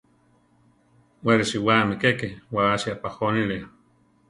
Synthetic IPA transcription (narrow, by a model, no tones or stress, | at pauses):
weɾeʃiwamikekewaaʃiapahonilea